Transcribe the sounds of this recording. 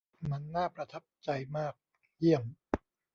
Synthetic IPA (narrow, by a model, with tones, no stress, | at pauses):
ma˧nːaː˥˩pɾa˧t̪ʰa˦˥p̚t͡ɕa˧jmaː˥˩k̚ | ji˥˩əm